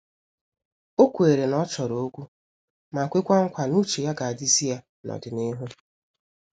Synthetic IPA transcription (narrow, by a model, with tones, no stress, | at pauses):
o˦kʷe˨ɾe˨nɔ˦t͡ʃɔ˨ɾo˨o˦kʷu˦ | ma˨kʷe˦kʷa˦ŋ̩˦kʷa˨nu˦t͡ʃe˨ja˦ɡa˨a˨di˦zi˦ja˦ | nɔ̰˨dɪ˨nɪ˦ɦʊ˦